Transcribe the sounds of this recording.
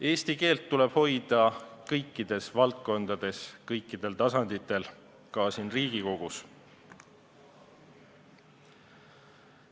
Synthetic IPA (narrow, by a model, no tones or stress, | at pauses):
e̞ːst̪ike̞ːlt̪ːule̞b̥ho̞jd̪̥ɑkɤjkˑːid̪̥e̞svɑlt̪̚ko̞nd̪ɑd̪̥e̞skɤjkˑːid̪̥e̞lt̪ɑsɑnd̪̥it̪ːˑe̞l | kɑsiːnriːɡ̥iko̞ɡ̥us